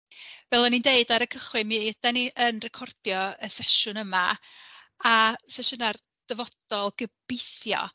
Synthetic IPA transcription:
vɛlˠɔnindeɨdaɾəkʰəχwɨmid̥aniʔənrɛkʰɔrd̥jɔəsɛʃʊnəma | asɛʃʊnar | d̥əvɔd̥ɔlˠɡəb̥ɪθjɔ̰

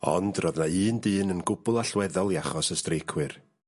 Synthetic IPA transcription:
ɔ̰ndrɔðnaɨːndɨːnənɡʊbʊlˠaɬwɛðɔlˠiaχɔsəstrejkʰwɨr

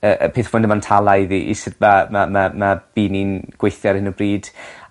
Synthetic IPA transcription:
əʔə̰pʰeːθfʊndəmantʰalˠaɨðiʔḭsɪdmamamamab̥iːninɡ̥wejθjɛɾɪnəbriːd̥

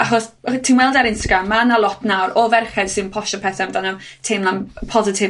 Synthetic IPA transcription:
aχɔstʰiːnwɛlˠdaɾɪnstaɡɾamːanalˠɔtʰnawɾɔvɛrχɛd̥sɨnpʰɔʃɔpʰɛθɛmdanɔtʰeːnlˠanpʰɔzɪtʰɪv

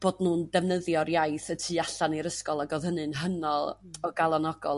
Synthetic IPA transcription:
b̥oːdnuːndɛvnəðjɔɾjajθətʰiːaɬaniɾəskɔlˠaɡoðhənɨnɦənɔlˠɔɡalˠɔnɔɡɔ̰lˠ

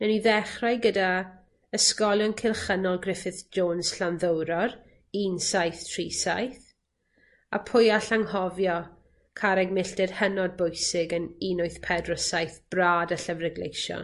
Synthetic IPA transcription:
nɛniðɛχrajɡəda | əskɔlˠjɔnkʰɪlˠχənɔlˠɡrɪfɪθd͡ʒoːnsɬanðəwɾɔr | insajθtʰriːsa̰jθ | a̰pʰʊjaɬaŋhɔvjɔ | kʰaɾɛɡmɪɬdɛrhənɔd̚bʊjsɪɡəninʊjθpʰɛdrɔsajθb̥raːdəɬəvrɛɡlḛjʃɔ̰n

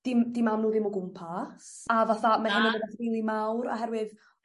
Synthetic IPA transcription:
d̥imd̥imamnuːðɪmuɡʊmpʰasavaθamahɪnɪnəvəθrilˠimawɾɔ̰ɦɛrwɪð

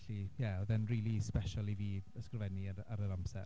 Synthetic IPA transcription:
ɬijɛɔðɛnriːlˠispɛʃalˠiviːəskrvɛniaɾaɾəɾamsɛ̰r

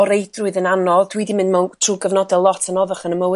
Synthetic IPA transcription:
ɔɾejdrʊɨðənanɔðd̥wiːdimɪndmawtʰr̥uːɡəvnɔdɛlˠɔtʰənɔðaχənəməw

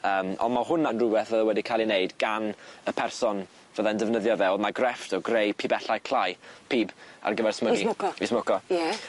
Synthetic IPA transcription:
əːmɔ̰ndmaɦʊnanrʊwɛθvəðawɛdikʰalˠineɨdɡanəpʰɛrsɔn | vəðandəvnəðjɔvɛɔmaɡrɛftʰɔɡrejpʰibɛɬajkʰl̥ˠajpʰiːba̰rɡəvɛrsməɡiʊɔismʊkɔjɛ

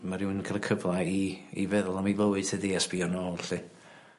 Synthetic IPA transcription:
maɾɪwɪnkʰalˠəkʰəblˠaiḭvɛðʊlˠamilˠəwɨd̥tʰəðiɛsb̥iɔnoːlˠɬɨ

